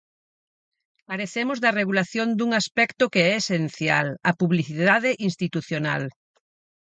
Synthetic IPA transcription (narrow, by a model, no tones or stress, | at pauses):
kaɾeθemozðɐreɣulaθjond̪uŋaspɛkt̪okeɛesenθja̰lɐpuβliθiðaðeʔinst̪it̪uθjona̰l